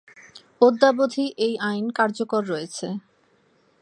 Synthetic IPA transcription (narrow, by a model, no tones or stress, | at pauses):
od̪ːabod̪ʱiʔejʔajnkaɾd͡ʑokoɾːɔjet͡ɕʰe